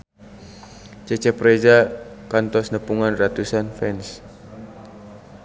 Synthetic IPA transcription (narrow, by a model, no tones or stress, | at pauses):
t͡ʃət͡ʃɛpɾed͡ʒakant̪ɔsnəpuŋanrat̪usanfɛns